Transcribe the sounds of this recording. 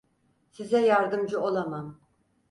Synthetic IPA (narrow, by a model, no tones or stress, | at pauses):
sizɛjaɾd̪ɯmd͡ʒɯolˠamam